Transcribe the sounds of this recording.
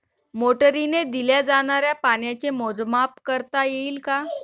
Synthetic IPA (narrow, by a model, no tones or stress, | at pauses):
moʈəɾined̪iljad͡zaɽ̃aɾjapaɳjat͡ɕemod͡zmapkəɾt̪ajeiːlka